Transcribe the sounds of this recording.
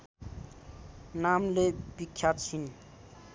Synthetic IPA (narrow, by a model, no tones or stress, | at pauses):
namlebikʰːjat͡sʰin